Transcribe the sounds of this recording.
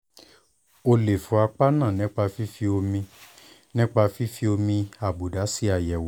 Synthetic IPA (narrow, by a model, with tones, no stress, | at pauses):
o˧le˨fũ˨˦a˧k͡pa˦nã˦˨nĩ˨˦k͡pa˧fi˦fi˦o˧mĩ˧ | nĩ˦k͡pa˧fi˦fi˦o˧mĩ˧a˨bu˨da˨˦si˦a˧˨jɛ˨w